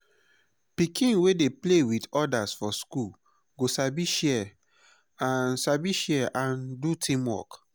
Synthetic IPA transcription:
pikʰĩnwedeplewidɔdasfɔskul | ɡosabiʃɛ | ãnsabiʃɛʔãndutʰĩmwɔ̰k

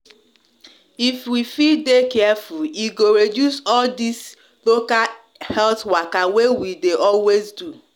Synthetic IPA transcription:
ifwifildekɛɛfuliɡoɾedjusɔldis | loka | hɛlθwakawewideʔɔlwezdu

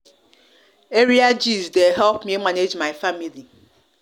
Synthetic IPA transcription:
eɾiad͡ʒizdeɦɛlpmiemaned͡ʒmaɪfamili

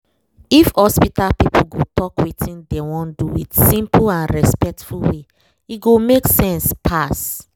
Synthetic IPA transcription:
ifhɔspitalpipʰulɡotɔkwitʰĩndewɔ̃nduwḭtsĩmplãnɹɛspɛk̚tfulwe | iɡomeksɛ̃nspʰas

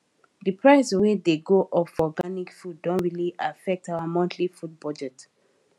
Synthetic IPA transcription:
dipʰɹaɪswedeɡoʔɔpfɔɡanikfudːɔ̃nɹiliʔafɛk̚taamɔ̃ntʰlifud̚bɔd͡ʒɛt

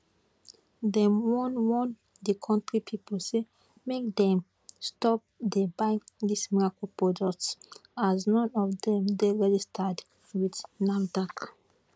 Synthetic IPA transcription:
dɛ̃mwɔ̃nwɔ̃n | dikʰɔ̃ntɹipʰipolse | mek̚d̪ɛ̃m | stɔp̚d̪ebãŋdismiɹakolpɹɔdɔk̚tsaznɔ̃nɔfdɛ̃mdeɹɛd͡ʒistʰad | widnafdak

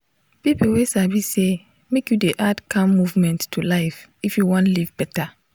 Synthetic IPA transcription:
pipowesavise | mekjudeʔadkʰãmːuvmɛ̃ntːʰulaɪfifjuwɔ̃ntlivbɛta

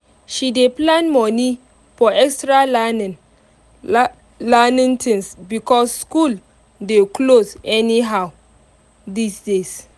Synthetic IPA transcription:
ʃideplãnmɔni | fɔʔɛkstɹa | lanĩntʰĩnsbikɔsːkul | deklosɛniɦaw | disdes

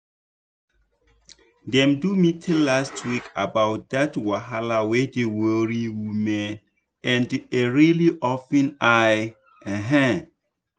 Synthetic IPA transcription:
dɛ̃mdumitʰɛlastʰwikʰa̰bawt̚datwaɦalawedewəɹiwumɛ̃n | ɛ̃ndeɹiliʔɔfɛ̃naj | ɛ̃ɦɛ̃

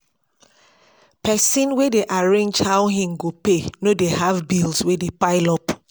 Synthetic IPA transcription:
pʰɛsĩnwedeʔaɹẽnd͡ʒhaʊɦĩmɡopenodehavbilswedepaɪlɔp

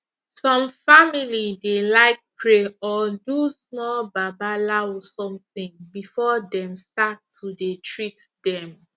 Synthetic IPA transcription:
sɔ̃mfamilidelaɪk̚pʰɹeɔdusmɔbabalasɔ̃mθĩŋbifɔdɛ̃mstattːudetʰɹit | dɛ̃m

